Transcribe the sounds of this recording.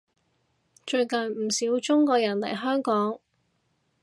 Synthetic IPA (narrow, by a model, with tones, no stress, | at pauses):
t͡ʃɵ˧ɥkɐ˨nm̩˨˩siː˨˧˥wt͡ʃʊ˥ŋkɔː˧jɐ˨˩nlɐ̰˨˩jɦœː˥ŋkɔː˨˥ŋ